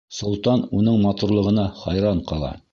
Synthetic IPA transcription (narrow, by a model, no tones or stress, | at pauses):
sŏlˠt̪ɑnunɤɴmɑt̪uɾlˠɤ̆ʁɤ̆nɑχɑjɾɑɴqɑlˠɑ̰